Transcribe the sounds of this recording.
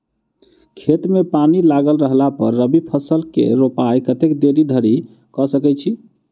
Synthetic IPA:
kʰet̪mepanilaɡəlɾəɦlapə̰ɾːəbipʰəsəlkḛɾopajkət̪ekd̪eɾid̪ʱəɾi | kɔsəkɛt͡ʃʰi

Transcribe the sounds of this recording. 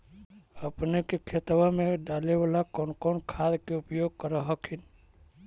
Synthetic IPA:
əpnekekʰet̪ʋamẽɖaleʋalakɔːnkɔːnkʰad̪keʊpjoːɡ̚kəɾəɦəkʰin

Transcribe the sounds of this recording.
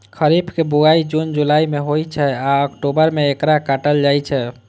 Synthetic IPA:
kʰəɾibʱkebuɡaid͡ʒund͡ʒulaimeɦojt͡ʃʰɛaəkʈobəɾmeekɾakaʈəld͡ʒajt͡ʃʰɛ

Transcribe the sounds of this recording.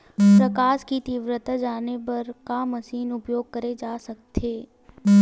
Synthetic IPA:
pɾɐkaːskit̪iːʋɾət̪ad͡ʒaːnepɐɾkamɐsiːnʊpjoːɡ̚kɐɾed͡ʒaːsɐk̚t̪ʰeː

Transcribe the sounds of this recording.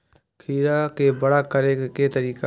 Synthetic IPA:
kʰiːɾakebəɽaːkəɾeket̪əɾiːka

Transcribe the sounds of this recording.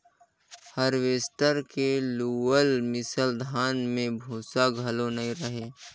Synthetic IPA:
həɾʋeːst̪əɾkeluːəlmɪsəld̪ʱaːnmẽbʱuːsaɡʱɐlonɐĩɾəɦeː

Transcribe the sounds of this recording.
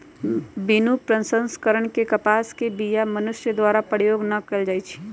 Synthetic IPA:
binupɾə̃nsə̃nskəɾəɳ̃kekɐpaːskebijamɐnʊʃjəd̪waːɾapəɽjoːɡnɐkɐld͡ʒaːit͡ʃʰi̥

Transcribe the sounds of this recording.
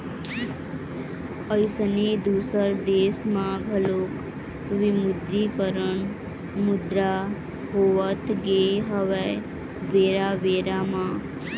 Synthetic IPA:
əɪsəniːd̪uːsəɾd̪eːsmãɡʱəloːk | ʋɪmʊd̪ɾikəɾəɳ | mʊd̪ɾaː | ɦoːʋət̪ɡeːɦəʋe | ʋeːɾaːʋeːɾamãː

